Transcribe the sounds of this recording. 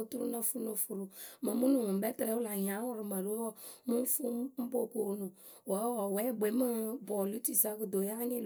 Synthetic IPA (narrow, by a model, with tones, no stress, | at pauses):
tu˦ɾu˦na˦fu˦no˨fu˨ɾu˨mə˨mu˦nu˨mũ˨m˨bɛ˦tɾɛ˨˦wu˦la˨ɲã˨˦wɔ˦ɾi˨ma˨ɾu˦wɔ˦˨mu˦fu˦m̩˦bo˦˨ko˨nu˨ | wa˨˦wɔ˨wɛ˨˦˨ɡ͡be˨˦mə˦bɔ˨lu˦ti˨sa˦kə˨do˨ja˦ni˦l